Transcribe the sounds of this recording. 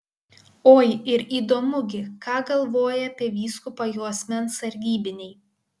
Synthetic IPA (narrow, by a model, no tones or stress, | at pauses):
oːjɪɾiːd̪oːmʊɡʲɪkɑːɡɐlˠʋoːjɛɐpʲiɛʋʲiːskʊpɐjuːɐsʲmʲɛnsɐɾʲɡʲiːbʲɪnʲɛɪ